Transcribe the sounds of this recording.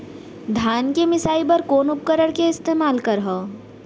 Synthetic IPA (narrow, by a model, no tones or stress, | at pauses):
d̪ʱaːnkemɪsaːipɐɾkoːnʊp̚kəɾəɽkeɪst̪eːmaːlkəɾɦoː